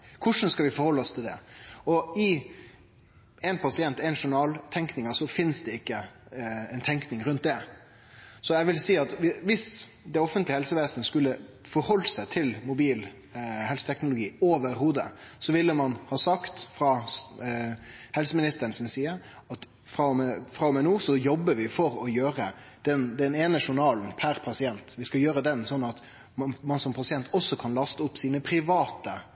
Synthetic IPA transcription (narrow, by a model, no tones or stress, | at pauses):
kʰʊʂn̩skɑʋɪfɔɾhɔlːəɔst̪ʰɪld̪ɛ̰ɔɪ | ɛnpʰɑsɪɛnt̪ɛɪnʂʊɳɑːlt̪ʰɛŋknɪŋəsɔfɪnsd̪ɛɪkːə | ɛɪnt̪ʰɛŋknɪŋɾʉnt̪̚d̪ɛ | sɔjɛʋɪlsiːɑt̪ʋɪʋɪsd̪ɛɔfənt̪lɪəhɛlsəʋeːsənəskʉlːə | fɔɾhɔlːsæɪt̪ʰɪlmʊbiːl | hɛlsət̪ʰɛknʊlʊɡiːoːʋəɾhuːd̪ə̰sɔʋɪlːəmɑnhɑːsɑkt̪fɾɑ | hɛlsəmɪnɪst̪əɾənsɔmsiːəɾ | ɑt̪ | fɾɑmfɾɑɔmɛnuːsɔjɔbːəʋɪfɔɾɔjøːɾə | d̪̥ɛnd̪ɛneːnəʂʊɳɑːln̩pʰæɾpʰɑsɪɛnt̪ʋɪskɑjøːɾəd̪ɛnsɔnːɑt̪ | mɑnsɔmpʰɑsɪɛnt̪ɔsːɔkʰɑnlɑst̪əʊpːsiːnəpʰɾɪʋɑːt̪ə